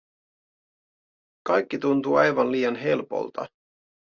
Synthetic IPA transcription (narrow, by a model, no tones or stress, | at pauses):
kɑjkːit̪unt̪uːɑjʋɑnliːjɑnɦe̞lpo̰lt̪ɑ̰